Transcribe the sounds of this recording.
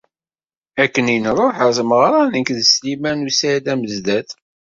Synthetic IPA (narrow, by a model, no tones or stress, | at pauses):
ækːəninrˤoħəɾθməʁɾˤɑnəkðəslimænusæd̪æməzd̪æθ